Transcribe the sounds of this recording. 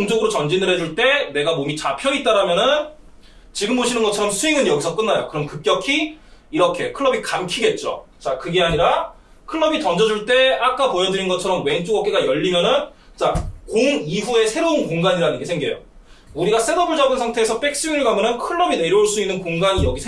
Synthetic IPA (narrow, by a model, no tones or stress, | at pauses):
oŋd͡ʑoɡɯɾot͡ɕʌnd͡ʑinɯɾɦe̞d͡ʑuɭt͈e̞ne̞ɡamomit͡ɕapʰjʌit͈̚aɾamjʌnɯn | t͡ɕiɡɯmboɕʰinɯnɡʌt͡ɕʰʌɾʌmsʰuiŋɯnjʌɡisʰʌk͈ɯnːajo̰kɯɾʌmkɯp̚k͈jʌkʰi | iɾʌkʰe̞kʰɯɭːʌbikamkʰiɡe̞t̚t͡ɕ͈o̰t͡ɕakɯɡe̞aɲiɾa | kʰɯɭːʌbitʌnd͡ʑʌd͡ʑuɭt͈e̞ak͈apojʌd͡ʑuɾinɡʌt͡ɕʰʌɾʌmwe̞ŋt͡ɕ͈oɡʌk͈e̞ɡajʌʎːimjʌnɯn | t͡ɕ͈akoŋiɸue̞sʰe̞ɾounkoŋɡaɲiɾanɯnɡe̞sʰeŋɡejo̰ | uɾiɡasʰe̞dʌbɯɭd͡ʑʌbɯnsʰaŋtʰe̞ːsʰʌp͈e̞k̚s͈ɯinɯɭkamjʌnɯnkʰɯɭːʌbine̞ɾjʌuɭs͈uinːɯnkoŋɡaɲijʌɡisʰ